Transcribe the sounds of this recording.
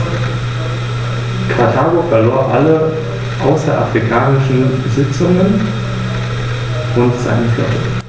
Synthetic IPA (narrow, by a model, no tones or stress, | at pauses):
kʰatʰaːɡofɛɐloːɐʔalə | ʔaʊsɐʔa̰fʁ̥ikʰaːnɪʃn̩bəzɪt͡sʊŋən | ʔʊntz̥a̰ɪnəflɔ̰tə